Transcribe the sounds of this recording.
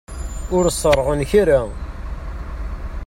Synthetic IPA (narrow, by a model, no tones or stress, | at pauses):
ʊɾsˤːərˤːʁənçaɾa